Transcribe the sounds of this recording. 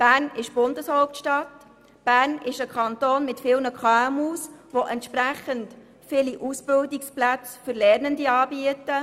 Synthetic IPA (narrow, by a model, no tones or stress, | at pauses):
b̥æːɾnɪʃb̥ʊndəshoʊp̚tʃtɑt | b̥æːɾnɪʃəkʰɑnt̪oːnmɪtfɪːlnəkχɑːmusʋoʔɛntʃpɾæχənt | fɪliʔusb̥ɪldɪksplæt͡sfʏɾlɛɾnəndiɑːbiətə